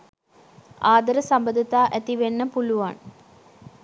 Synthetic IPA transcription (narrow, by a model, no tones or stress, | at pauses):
aːd̪ɐɾɐsɐmbɐd̪ʱit̪aːʔɐt̪iʋenːɐpuluʋa̰ːɳ